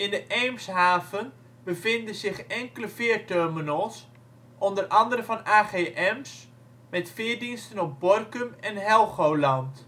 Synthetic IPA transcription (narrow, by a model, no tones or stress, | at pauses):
ɪndəʔejmsɦaːvən | bəvɪndəzɪxɛŋkələfɪərtørmənolˠs | ʔɔndərʔɑndəɾəvɑnaːχeːʔɛms | mɛtfɪːɹdinstənɔp̚bɔrkəmɛnɦɛlˠχowlɑnt